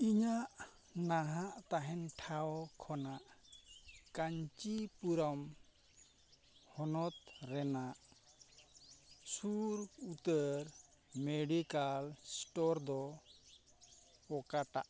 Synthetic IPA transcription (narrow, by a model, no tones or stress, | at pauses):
iɲaʔ | naɦaʔt̪aɦɛnʈʰaɔkʰɔnaʔ | kaɲt͡ʃipuɾam | hɔnɔt̪̚ɾɛnaʔ | suɾut̪əɾmeɖikalsʈɔɾd̪ɔ | ɔkaʈa̰ʔ